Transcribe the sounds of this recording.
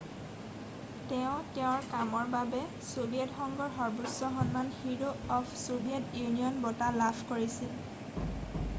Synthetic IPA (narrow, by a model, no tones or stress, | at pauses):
tɛʊ̃tɛʊ̃ɹkamɔɹbabɛ | sobiɛtxɔŋɡɔɹɦɔɹbusɔxɔnmanhiɹoɔpʰsobiɛtjuniɔnbɔtalapʰkoɹisil